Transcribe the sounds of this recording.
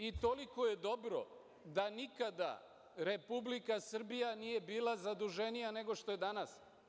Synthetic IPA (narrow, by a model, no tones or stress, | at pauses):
it̪o̞liko̞je̞d̪o̞bɾo̞̰ | d̪anikad̪a̰ | ɾe̞publikasr̩bijanije̞biːlˠazad̪uʒe̞nijane̞ɡo̞ʃt̪o̞je̞d̪anas